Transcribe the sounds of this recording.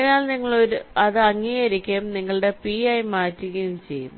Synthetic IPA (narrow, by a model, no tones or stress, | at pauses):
ɻijaːlniŋːɐɭo̞ɾuɐðɨɐŋːiɣɐɾikʲːɐjmniŋːɐɭɨɽe̞piɐjmaːtːiɣɐjumt͡ɕe̞jːṵmː